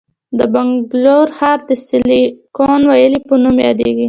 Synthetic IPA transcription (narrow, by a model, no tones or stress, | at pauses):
d̪əbaŋɡloɾxɑɾd̪əst̪ilikonwajəlipənumjɑ̰d̪ḛɡi